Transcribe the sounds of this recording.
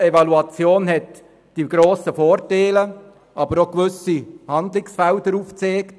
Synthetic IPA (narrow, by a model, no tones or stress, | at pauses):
evɑluɑt͡sjoːnhɛt | d̥iɡ̥ɾoːsəfoːɾteːlə | ʔɑbəɾokʋʏsihɑnd̪lɪksfɛldəɾuft͡seːkt